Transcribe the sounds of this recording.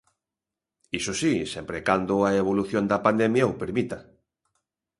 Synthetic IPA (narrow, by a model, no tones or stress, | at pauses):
isosisɛmpɾekand̪ʊaeβ̞oluθjond̪ɐpand̪ɛmjaopeɾmit̪ɐ